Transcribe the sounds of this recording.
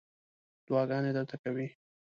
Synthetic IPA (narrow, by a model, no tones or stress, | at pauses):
d̪̥wɑɡɑned̪əɾt̪akawi